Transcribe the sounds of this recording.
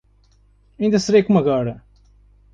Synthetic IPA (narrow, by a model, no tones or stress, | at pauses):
ɐĩnd̪ɐsɨɾejkomɐɣɔɾɐ